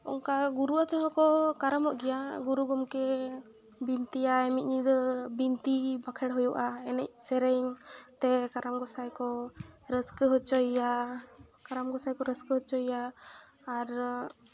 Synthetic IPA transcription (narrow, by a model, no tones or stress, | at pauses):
ɔ̰ŋkaɡuɾuat̪ɛɦɔkɔkaɾamɔʔɡɛjaɡuɾuɡɔmkɛ | bint̪ijaɛmit̪̚ɲid̪ɔbint̪ibakʰɛɽɦɔjuʔaɛnɛc̚sɛɾɛjŋt̪ɛkaɾamɡɔsajkɔɾəskəɦɔt͡ʃɔja | kaɾamɡɔsajkɔɾəskəɦɔt͡ʃɔjaː | ɾ